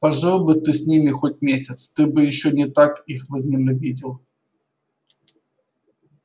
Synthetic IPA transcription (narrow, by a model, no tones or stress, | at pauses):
pɐʐalˠbɨt̪ɨsʲnʲimʲɪxotʲmʲesʲɪt̪st̪ɨbɨjɪɕːonʲɪt̪akixvəzʲnʲɪlʲʊbʲidʲɪlˠ